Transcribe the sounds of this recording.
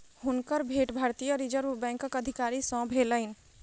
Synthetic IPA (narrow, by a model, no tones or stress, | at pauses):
ɦunkəɾbʱeʈbʱaɾt̪ijəɾid͡ʒəɾubɛ̃ŋkəkəd̪ʱikaɾisə̃bʱeləɪn